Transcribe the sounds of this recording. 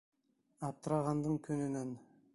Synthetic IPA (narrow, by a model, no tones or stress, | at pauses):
ɑp̚t̪ɾɑʁɑnd̪əɴkʲʰɵnynen